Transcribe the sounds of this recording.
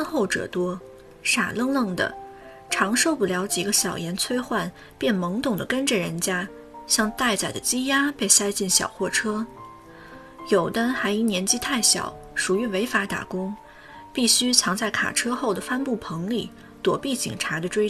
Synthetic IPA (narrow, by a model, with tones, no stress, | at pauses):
nxo˥˩ʊʈ͡ʂɤ̰˨˩t̪wɔ˥ | ʂa̰˨˩lɤ˥˧ŋlɤ˥˩ŋd̪ə̰˩ | ʈ͡ʂʰɑ˧˥ŋʂo˥˧ʊpu˥˩ljɑ˧˥ʊt͡ɕji˨˩ɡə˦ɕjɑ˨˩ʊjɛ˧˥nt͡sʰwe˥ɪxwa˥˩n | pjɛ˥˩nmɤ˧˥ŋt̪ʊ˨˩ŋd̪ə˩kə˥nʈ͡ʂə˨ɻə˧˥nt͡ɕja˥ | ɕjɑ˥˧ŋt̪a˥˩ɪt͡sa˨˩ɪd̪ə˦t͡ɕi˥ja˥pe˥˩ɪsa˥ɪt͡ɕi˥˩nɕjɑ̰˨˩ʊxwɔ˥˩ʈ͡ʂʰɤ˥ | jo˨˩ʊt̪ə˥nxa˧˥ɪi˧˥njɛ˧˥nt͡ɕi˥t̪ʰa˥˩ɪɕjɑ̰˨˩˦ʊ | ʂu˨˩y˧˥we˧˥ɪfa˧˥t̪a̰˨˩kʊ˥ŋ | pi˥˩ɕy˥t͡sʰɑ˧˥ŋt͡sa˥˩ɪkʰa̰˨˩ʈ͡ʂʰɤ˥xo˥˩ʊd̪ə˩fa˥npu˥˩pʰɤ˧˥ŋli˥˩ | t̪wɔ˨˩pi˥˩t͡ɕḭ˨˩ŋʈ͡ʂʰa˧˥d̪ə˧ʈ͡ʂwe˥ɪ